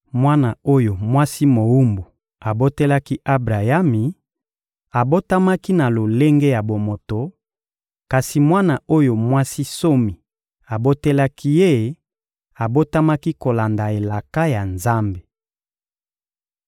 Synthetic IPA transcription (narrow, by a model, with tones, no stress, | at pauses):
mwa˦na˨o˦jo˨mwa˦si˦mo˨u˦mbu˨ | a˨bo˦te˦la˦ki˦ʔa˦bʁa˨ja˦mi˨ | a˨bo˦ta˦ma˦ki˦na˨lo˨le˦ŋɡe˦ja˨bo˨mo˨to˨ | ka˨si˨mwa˦na˨o˦jo˨mwa˦si˦so˦mi˨ | a˨bo˦te˦la˦kʰi˦je˦ | a˨bo˦ta˦ma˦ki˦ko˨la˨nda˨e˨la˨ka˦ja˨nza˦mbe˨